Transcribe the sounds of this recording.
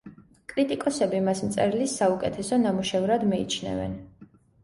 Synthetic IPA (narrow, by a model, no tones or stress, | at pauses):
kʼɾit̪ʼikʼɔsɛbimasmt̪sʼɛɾilisːaukʼɛt̪ʰɛsɔnamuʃɛvɾad̪miḭt͡ʃʰnɛ̰vɛ̰n